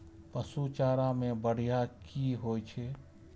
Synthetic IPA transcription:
pəsut͡ʃaːɾãmẽbəɽ̤ijakiɦoːjt͡ʃʰeː

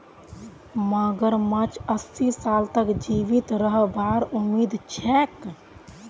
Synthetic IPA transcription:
maɡəɾmət͡ʃəsːisaːlt̪əkd͡ʒiːʋɪt̪ɾəɦbaːɾʊmiːd̪t͡ʃʰɛːk

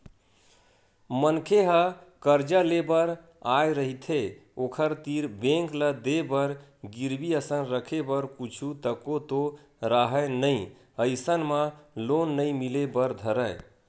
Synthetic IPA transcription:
mənkʰeɦəkəɾd͡ʒalebəɾ | ajɾəɦit̪ʰeokʰəɾt̪iɾbẽŋkləd̪ebəɾɡiɾbiəsənɾəkʰebəɾkut͡ʃʰut̪əkot̪o | ɾaɦənəi | əɪsənməlonːəjmilebəɾd̪ʱəɾəɪ

